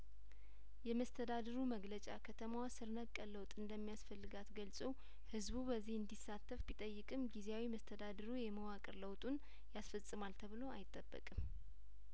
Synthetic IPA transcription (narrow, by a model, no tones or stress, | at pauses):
jɛməst̪ʰəd̪ad̪əɾuməɡlət͡ʃʼa̰kʰət̪ʰəmawasɨɾnəkʼːələwt̪ʼɨnd̪əmːijasfəlːɨɡat̪ɡəlsʼəw | hɨzbubəzːihɨnd̪isːat̪ʰːəfbit̪ʼəjːɨkʼɨmɡizeawiməst̪ʰəd̪ad̪əɾujɛməwakʼɨɾləwt̪ʼun | jasfəsʼɨmalt̪ʰəβɨlo̞a̰jɪt̪ʼːəbːə̰kʼɨm